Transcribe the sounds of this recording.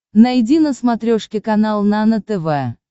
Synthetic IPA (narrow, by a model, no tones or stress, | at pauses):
nɐjdʲinəsmɐt̪ɾʲoʂkʲɪkɐnalˠnanət̪ɛvɛ